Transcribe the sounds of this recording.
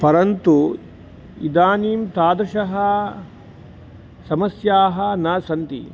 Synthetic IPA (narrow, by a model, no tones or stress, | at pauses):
pɐɾɐnt̪u | ḭd̪aːniːmt̪aːd̪ɾʃɐɦɐ | sɐmɐsjaːɦɐnaːsɐnt̪ḭ